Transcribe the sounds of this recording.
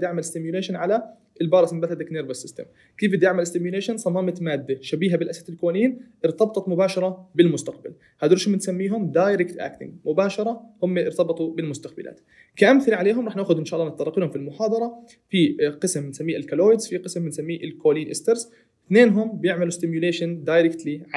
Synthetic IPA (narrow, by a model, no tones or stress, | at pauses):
d̪jɪʕmalɪst̪ɪmjuleːʃanʕala | ɪlbɑːɾˤɑsmɪbat̪ad̪akneːɾvosɪst̪ɪ̰m | kiːfɪd̪jɪʕmalɪst̪ɪmjuleːʃansˤɑmaːmɪt̪maːd̪ːaʃabiːɦabɪlʔasat̪ɪlkoliːnʔɪɾt̪ɑbt̪ˤɑt̪mʊbaːʃɑɾˤɑbɪlmʊst̪aq̚ba̰l | had̪ʊɾʃmɪnsamːiːɦʊmd̪aːjɾɪkt̪ʔa̰ːkt̪ɪ̰ŋɡmʊbaːʃɑɾˤɑhʊmːaʔɪɾt̪ɑbɨt̪ˤubɪlmʊst̪aqbɪlʔa̰ːt̪ | kaʔamθɪɾʕaleːɦʊmɾˤɑːħnaːʔxʊd̪ʔɪnʃaːʔlːɑnɨt̪ˤːɑɾˤɑqiːnhʊmfilmʊħɑːd̪ˤɑɾˤɑ | fiqɪsmbɪnsamːiːʔɪlkaloːjɪd̪zfiqɨsmbɪnsamːiːʔɪlkoːliːnʔɪst̪eɾs | θneːnɦʊmbɪjɪʕmalust̪ɪmjʊleːʃand̪ajɾɪkt̪li